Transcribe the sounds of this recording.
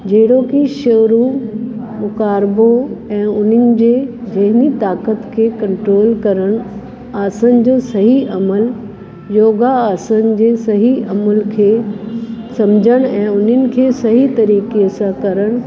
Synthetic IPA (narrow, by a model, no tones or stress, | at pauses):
d͡ʑeɦɪɽokiʃɐːɾu | mʊkaːɾboɛ̃ːʊn̤ənɪ̆d͡ʑeːd͡ʑɐɦɪnit̪aːkət̪kʰeːkɐ̃ɳʈɾoːlkɐɾəɽ̃ | aːsənɪ̆d͡ʑoːsɐɦiʔɐməl | joːɡaaːsənɪ̆d͡ʑeːsɐɦiʔɐməlkʰeː | sɐmd͡ʑʱəɽ̃ɛ̃ːʊn̤ənɪ̆kʰeːsɐɦit̪ɐɾiːkesãkɐɾəɽ̃